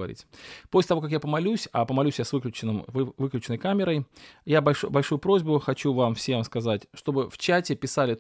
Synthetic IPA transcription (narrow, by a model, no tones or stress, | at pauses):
ɐ̰ɾʲḭtʲposʲlʲɪt̪ɐvokɐk̬japəmɐlʲusʲɐpəmɐlʲusʲjasvɨklʲʉt͡ɕɪnɨmvɨklʲʉt͡ɕɪnəjkamʲɪɾəjjabɐlʲʂbɐlʲʂujʊpɾo̞zʲbʊxɐt͡ɕuvamfsʲemskɐzatʲʂt̪o̞bɨft͡ɕætʲɪpʲɪsalʲɪ